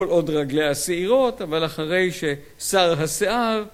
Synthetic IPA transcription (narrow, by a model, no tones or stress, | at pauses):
olʔo̞dʁaɡlejaseiʁo̞t̪avalaχaʁe̞jʃe̞ | saʁɦaseʔaʁ